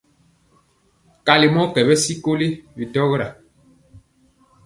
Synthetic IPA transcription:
ka˨li˨mɔ˦kɛ˨bɛ˦si˦ko˦li˦bi˨tɔ˦ɣɾa˨

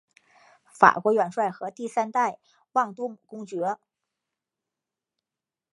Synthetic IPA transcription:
fa̰˨˩kwɔ˧˥ɥɛ˨˩nʂwa˥˩ɪxɤ˧˥t̪i˥˩sa˥nt̪a˥˧ɪ | wɑ˥˩ŋt̪u˥mu˨˩kʊ˥ŋt͡ɕɥɛ˧˥

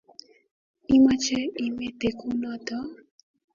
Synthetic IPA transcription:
i˦ma˦t͡ʃɛ˦i˦me˦te˨ku˦nɔ˦t̪ɔ˦

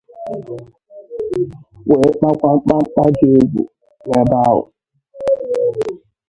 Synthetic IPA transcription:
we˨˦k͡pa˦kʷa˦k͡pa˦k͡pa˦d͡ʒe˦e˦ɡʷṵ˨ | we˨˦ba˦ʊ̰˨

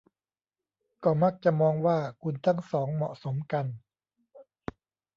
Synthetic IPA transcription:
kɔː˥˩ma˦˥˩k̚t͡ɕa˨˩ʔmɔː˧ŋwaː˥˩kʰu˧nt̪ʰa˥˩ŋsɔː˩˦ŋmɔ̰˨˩ʔso˩˦mka˧n

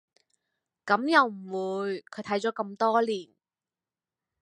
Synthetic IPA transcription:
kɐ˨˥mjɐ˨˧wm̩˨˩wuː˨˧jkʰɵ˨˧jt̪ʰɐ˨˥jt͡sɔː˨˥kɐ˧mt̪ɔː˥liː˨˩n

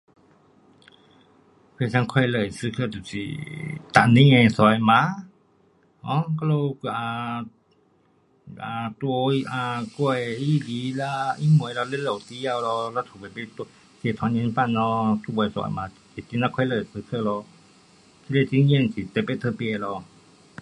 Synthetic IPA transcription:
pʰe˧˨sã˧˦ŋkʰɔ˧jlə˧˩˨jsɨ˧kʰə˧˨t̪u˨sḭ˨t̪a˧˨ʔnĩ˧˦ŋɛ̃˧˨sɔ˧˦jmã˧˦ | ɔ̃˧˦kɔ˦lo˧a˨ | a˨t̪wo˧ʔa˧kɔ˧˨˧i˦li˨˦la˦i˦mu˨˧˨lɔ˧lə˧˦lo˨˩˨t̪i˧˦a˧˨wlɔ˧la˧˦t̪ʰu˨ba˨pe˦t̪ | si˧˨t̪ʰɔ˨˦ɲɛ̃˧ni˧˦pa˧˨nːɔ˧t̪u˧bɔ˧˩˨sɔ̰˧˨jma˨˧˨si˨t̪i˧˦nã˧kʰwa˧jlə˧˩˨sɨ˧kʰə˧˨lɔ˧ | tʰi˧˦le˧˨ti˧˦ɲi˧˨n˧si˨t̪e˧˨pe˦˧˨t̪ʰə˧˨pi˧˨lɔ˧

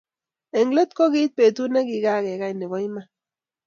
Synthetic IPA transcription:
e˨ŋɡle˦t̪koɣi˦t̪̚pe˨t̪une˦kiɡa˦ɣe˨ɣajne˨βojma˦

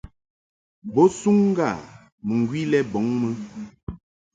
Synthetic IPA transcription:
bɔ˦su˦ŋ̩˦ɡa˦˨ | mə˨ŋ˨ɡwi˦lɛ˦bɔ˨˦ŋmə˦

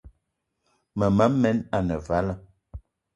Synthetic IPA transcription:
mə˨mə˦mɛ˦na˨nə˨va˦lə˦

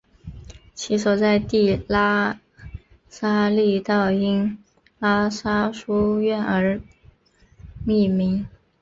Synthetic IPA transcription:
t͡ɕʰi˧˥sɔ˨˩t͡sa˥˧ɪt̪i˥˩la˥ | sa˥li˥˧t̪ɑ˥˩ʊi˥ŋ | la˥sa˥ʂu˥ɥɛ˥˩nə˞˧˥ | mi˥˩mi˧˥ŋ

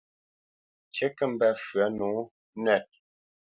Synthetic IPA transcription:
t͡ʃe˦kə˦m̩˨bɛ˨fɰa˨˦nu˨˦ | nɛ˦˨t̚

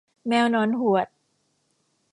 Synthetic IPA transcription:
mɛː˧wnɔː˨˦˥nɦu˨˩ət̪̚

